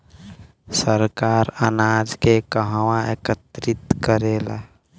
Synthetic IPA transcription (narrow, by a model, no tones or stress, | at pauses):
səɾkaɾənad͡ʒkekəɦwaekət̪ɾit̪kəɾela